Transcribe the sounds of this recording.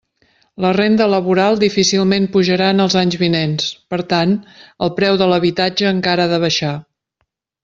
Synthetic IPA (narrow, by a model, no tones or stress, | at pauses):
lərend̪ələβuɾalˠd̪ifisilˠmempuʒəɾaənəlˠzaɲzβinenspəɾt̪anəlˠpɾɛwðələβit̪ad͡ʒəːŋkaɾaðəβ̞əʃa